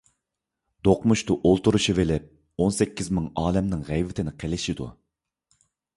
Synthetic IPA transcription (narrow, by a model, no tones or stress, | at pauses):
d̪̥oqmuʃt̪ʊʔolˠt̪uɾuʃivɪlɪp̚ | onsɛkʲːizmɪŋɑːlɛmnɪŋʁɛjvɪt̪ʰɪnɪqʰelɪʃid̪ṵ